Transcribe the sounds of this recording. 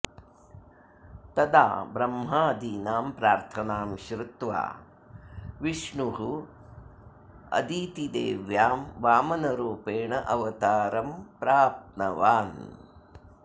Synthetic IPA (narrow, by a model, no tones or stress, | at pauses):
t̪ɐd̪a̰ːbɾɐmɦaːd̪iːnaːmpɾaːɾt̪ʰɐnaːmʃɾɪt̪ʋa̰ː | ʋiʂɳuɦu | ɐ̰d̪iːt̪id̪ḛːʋjaːmʋaːmɐnɐɾuːpeːɳɐʔɐʋɐt̪aːɾɐmpɾaːpt̪̚nɐʋaːn